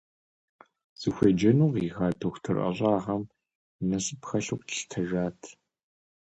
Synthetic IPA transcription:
z̥ɨxʷɐd͡ʒɐnuːqixaːtʰoxʷtʰɨrʔɐ̰ɕʼɑːʁɐm | nɐɕɨpxɐɬɨqʷtʰɬtʰɐʒaːtʰ

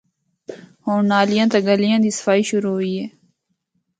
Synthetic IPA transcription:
hõːnaːlɪjãːt̪aːɡəlijãːd̪iːsə̥faːiːʃʊɾuːɦʊiːɦeː

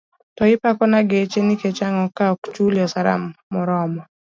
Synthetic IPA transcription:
tɔɪpakɔnaɡet͡ʃeniket͡ʃaŋɔkaɔkt͡ʃuljɔsaɾa̰mːɔɾɔmɔ

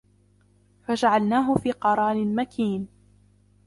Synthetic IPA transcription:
fad͡ʒaʕalnaːɦʊfiːqɑɾˤɑːnɪnmakʰiːn

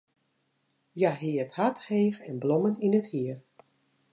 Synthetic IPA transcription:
jaɦɪəthatheːxɛnblɔməninəthiər

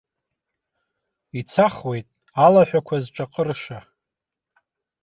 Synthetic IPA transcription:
it͡sʰaχwe̞jtʼ | alaħʷᶣakʷʰazʈ͡ʂʼaqʼərʂa

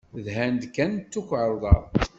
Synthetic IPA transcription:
ðhænd̪kːænt͡s̪ːukʷʕɾˤðˤɑˤ

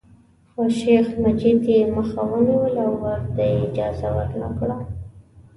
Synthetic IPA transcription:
xoʃexmad͡ʒid̪jeməxawəniwəlawːaɾt̪ajeɪd͡ʒɑ̰zawə̰ɾna̰kɽa

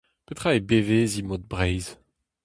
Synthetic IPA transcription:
pet̪χaebevezimod̪̚bʁɛjz

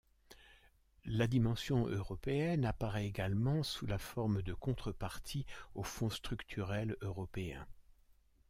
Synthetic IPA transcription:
lad̪imɑ̃sjɔ̃ʔøʁɔpeɛnapaʁɛeɡalmɑ̃sulafɔʁmd̪əkɔ̃t̪χəpaʁt̪ʰiofɔ̃st̪χykt̪ʰyʁɛløʁɔpeɛ̰̃

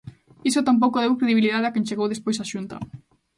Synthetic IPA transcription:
isot̪amp̬owkoðewkɾeðiβiliðaðeakent͡ʃeɣowðespojsaʃunt̪ɐ̰

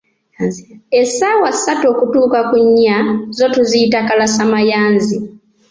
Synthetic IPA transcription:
esaːwasːatoːkutuːkakuɲːazo̞tuziitakalasamajaːnzi

